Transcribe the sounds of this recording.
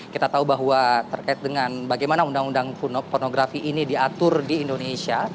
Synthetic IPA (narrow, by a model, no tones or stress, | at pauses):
kit̪at̪aubaɦuat̪ərkaɪt̪̚dəŋanbaɡajmanaundaŋundaŋfornoɡɾafiʔːnidiat̪ʊrdiːndonesia